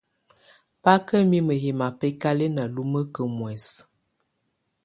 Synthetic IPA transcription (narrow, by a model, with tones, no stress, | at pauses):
pa˦kə˦mi˦mə˨ɦe˨ma˨pɛ˦ka˦le˦na˨lu˦mə˦kə˨mwɛ˨s